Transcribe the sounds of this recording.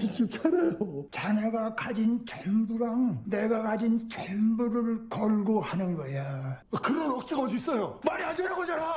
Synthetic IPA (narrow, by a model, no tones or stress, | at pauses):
it͡ɕip̚t͡ɕʰaɾejot͡ɕaneɡakad͡ʑint͡ɕʰombuɾaŋneɡakad͡ʑint͡ɕenbuɾɯɭkʌɭɡohanɯnɡʌejakɯɾʌnʌk̚t͡ɕ͈iɡʌdis͈ʌjomaɾiadeɾaɡod͡ʑaɾa